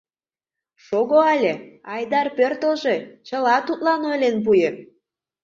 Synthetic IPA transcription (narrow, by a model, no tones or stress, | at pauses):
ʃoɣoɑlʲeɑjd̪ɑrpørt̪əlʒet͡ɕəlɑt̪ut̪̚lɑnojlenp̬ujĕ